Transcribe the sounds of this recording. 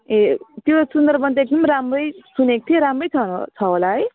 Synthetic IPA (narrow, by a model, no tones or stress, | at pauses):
et̪josund̪ʌrbʌnt̪ʌek̚d̪ʌmramrʌjsunekt̪ʰijeɾamrʌjt͡sʰʌnt͡sʰʌɦolaɦʌj